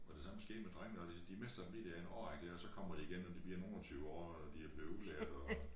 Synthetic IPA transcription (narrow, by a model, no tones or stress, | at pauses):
ɒd̥e̝sɑməsɡ̥e̝̰ːd̥med̥ʁaŋ̰nəɒd̥id̥imesd̥ɐ̥em̩lḭd̥eɐenɒ̰ːaŋd̥æɐɒsɒ̽kʰɒ̽m̰ɐd̥iiɡ̥enɒd̥ib̥iɐno̝ːnɒt͡sʰyːʊɒ̰ː | d̥iæb̥le̝ːulæɐd̥ɒ